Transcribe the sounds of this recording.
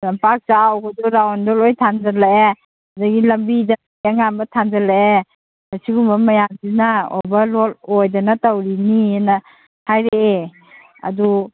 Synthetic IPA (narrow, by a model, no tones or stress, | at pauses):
lampak̚zawɡaduɾawɔndɔlɔjtʰanzalae | daɡilɐmbida | iaŋambɐtʰanzalae | asiɡumbɐmɐjazinaɔ̰bɐlɔlɔjdanatawɾiniena | hajɾee | a̰du